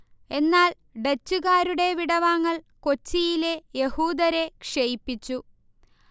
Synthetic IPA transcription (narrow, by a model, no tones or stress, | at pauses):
e̞nːaːl | ɖet͡ɕːuɣaːɾuɽe̞ʋiɽɐʋaːŋːɐɭko̞t͡ɕːijile̞je̞huːd̪ɐɾe̞kʂejipːit͡ɕːu